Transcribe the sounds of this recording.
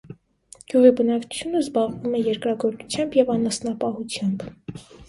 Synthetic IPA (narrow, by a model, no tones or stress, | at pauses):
ɡ̥juʁibənɑkt͡ʃʰu̥t͡sʰjunəzbɑʁvumɛjɛɾkɾɑɡɔɾt͡su̥t͡sʰjɑmbjɛvɑnɑsnɑpɑhut͡sʰjɑmb